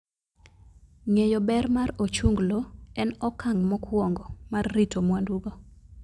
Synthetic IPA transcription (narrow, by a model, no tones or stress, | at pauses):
ŋejobɛɾmaɾot͡ʃuŋɡloɛnɔkaŋmɔkʰwɔŋɡɔmarːitʰomwanduɡo